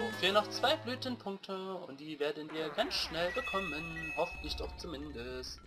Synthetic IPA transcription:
fiːnɔχt͡sv̥aɪblyːtənpʰʊŋk̚tʰəʊnt̚d̥iːveːɐdnndiːɐɡant͡sʃnɛlbəkʰɔmənhɔfn̩tlɪçd̥ɔχt͡sumɪndəst

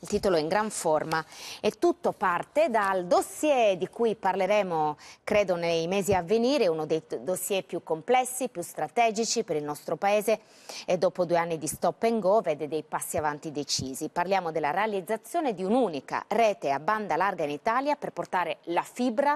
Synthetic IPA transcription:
ilt̪iːt̪oloɛiŋɡɾaɱfɔrmaɛt̪ːut̪ːopart̪ed̪ald̪osjɛd̪ikujparleɾɛːmokɾɛːd̪onejmɛːziavːeniːɾeunod̪ejd̪osːjɛpjukːomplɛsːipjust̪ɾat̪ɛːd͡ʒit͡ʃipeɾilnɔst̪ɾopaeːze | ed̪ːɔːpod̪ueanːid̪ist̪ɔpːeŋɡɔvɛd̪ed̪ejpasːiavant̪id̪et͡ʃiːziparljaːmod̪elːaɾealid̪zːat̪sːjoːned̪iunuːnika̰rɛːt̪eaband̪alarɡainit̪aːljaperport̪aːɾelafibɾa

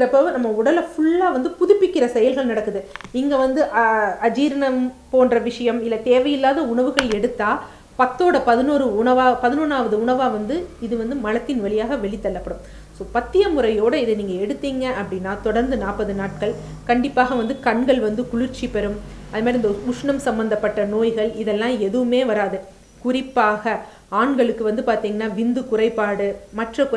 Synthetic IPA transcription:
ɾɐpːoːnɐmːɐʊɽɐlɐfʊɭːaːʋɐnd̪ɯpʊðʊpːɪkːɪrɐsɛjɐlɣɐɭnɐɽɐkːɯðɯɪŋɡɐʋɐnd̪ɯʔɐɐd͡ʒiːɾɐɳɐmpoːnrɐʋɪʂɐjɐmɪlːɐt̪eːʋɐjɪlːaːðɐʊɳɐʋɯɣɐɭɛɽɯt̪ːaː | pɐt̪ːoːɽɐpɐðɪnuːɾɯʊɳɐʋaːpɐðɪnuːnaːʋɐðɯʊɳɐʋaːʋɐnd̪ɯɪðɯʋɐnd̪ɯmɐɻɐt̪ːɪnʋɐɭɪjaːɣɐʋɛɭɪt̪ːɐɭːɐpːɐɽɯm | soːpɐt̪ːɪjɐmʊrɐjoːɽɐɪðɛniːŋɡɐɛɽɯt̪ːiːŋɡɐɐpːɐɽɪnːaːt̪ɔɽɐɾnd̪ɯnaːpːɐðɯnaːʈ̚kɐɭ | kɐɳɖɪpːaːɣɐʋɐnd̪ɯkɐɳɡɐɭʋɐnd̪ɯkʊɭɪɾt͡ʃːipɛɾɯm | ɐðɯmaːdɾiɪnd̪ɐʊʂɳɐmsɐmbɐnd̪ɐpːɐʈːɐnoːjɣɐɭɪðɛlːãːɛðɯʋɯmeːʋɐɾaːðɯ | kʊrɪpːaːɣɐ | aːɳɡɐɭɯkːɯʋɐnd̪ɯpaːɾt̪iːŋɡɐnːaːʋɪnd̪ɯkʊrɐɪpːaːɽɯmɐʈrɐkʊ

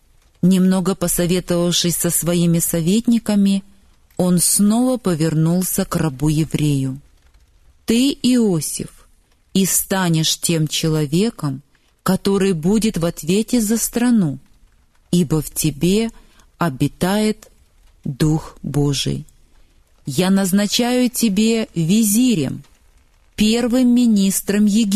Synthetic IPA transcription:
nʲɪmno̞ɡəpəsɐvʲe̞t̪əvəfʂɨsʲsəsvɐimʲɪsɐvʲetʲnʲɪkəmʲɪ | o̞nsno̞vəpəvʲɪrnulˠsʲəkrɐbujɪvɾʲejʊ | t̪ɨɪosʲɪ̰f | ist̪anʲɪʂtʲe̞mt͡ɕɪlˠɐvʲe̞kəm | kɐt̪o̞ɾɨjbudʲɪt̪vɐt̪vʲetʲɪzəst̪ɾɐnu | ibəftʲɪbʲe̞ | ɐbʲɪt̪ajɪt̪ | d̪uxbo̞ʐɨ̰j | janəznɐt͡ɕæjʊtʲɪbʲevʲɪzʲiɾʲɪ̰m | pʲe̞rvɨmːʲɪnʲist̪ɾəmjɪɡʲ

